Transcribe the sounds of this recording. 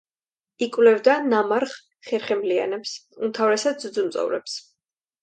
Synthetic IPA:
ikʼvlɛvd̪anamaɾχ | χɛɾχɛmlia̰nɛpsumt̪ʰavɾɛsad̪̚zd̪zumt̪sʼɔ̰vɾɛ̰ps

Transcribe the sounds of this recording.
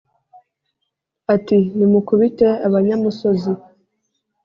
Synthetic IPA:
atinimukuβiteaβaɲɲamusozi

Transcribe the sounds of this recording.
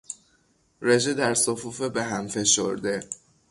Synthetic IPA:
ɾed͡ʒed̪æɾsofuːfebe̞ɦæmfe̞ʃo̰ɾd̪e̞

